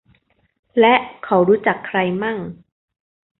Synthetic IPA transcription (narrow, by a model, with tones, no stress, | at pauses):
lɛ˦˥ʔkʰa˩˦wɾuː˦˥t͡ɕa˨˩kʰːɾa˧jmaː˥˩ŋ